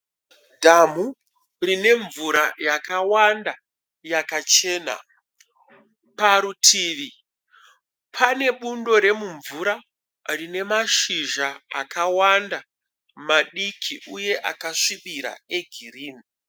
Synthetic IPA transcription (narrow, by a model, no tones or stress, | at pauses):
dʱamu | rine̞ɱvuɾajakawanda | jakat͡ʃe̞ːna̰ | paɾutʰiːʋi | pʰane̞ɓundo̞ɾe̞muɱvuɾa | rine̞maʃiʒaa̰kawanda | maɗikʰiʔuje̞ʔakaʂiɓiɾa̰e̞ɡʱiriːni